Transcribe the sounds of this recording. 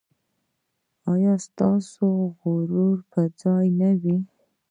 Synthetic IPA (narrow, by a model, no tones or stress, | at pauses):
ɑjɑst̪ɑsoɣʊɾuɾpəd͡zɑjnawi